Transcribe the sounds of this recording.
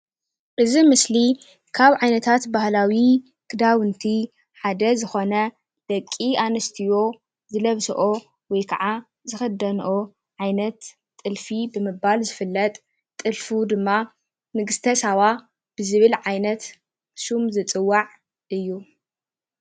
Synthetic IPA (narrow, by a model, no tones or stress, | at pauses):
ʔɨzimɨsli | kʰaβʕajnɐt̪ʰat̪bahlawi | kʰɨd̪awɨnt̪ʰi | ħad̪ɐzɨxo̞nɐ | d̪̥ɐkʼːianɨst̪ʰijo̞ | zɨlɐβsɐ̰ʔo̞ | wɔjkʰɐʕa | zɨxɐd̪ɐnʔo | ʕajnɐt̪ʼː | ɨlfibɨmɨbalzɨfɨlːɐt̪ʼː | ɨlfud̪ɨmːa | nɨɡɨst̪ʰɐsawa | b̥ɨzɨβɨlʕajnɐt̪ | ʃumzɨt͡sʼɨwːaʕ | ʔɨjːu